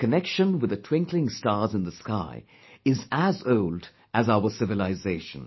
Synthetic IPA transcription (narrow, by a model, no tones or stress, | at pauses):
kənɛkʃə̃nwɨðətʰw̥ɪ̃ŋklɪ̃ŋstɑːzɨ̃nðəskaɪ | ɪzəzoʊld | ɨzaʊəsɪvɨlaɪzeɪʃə̰̃n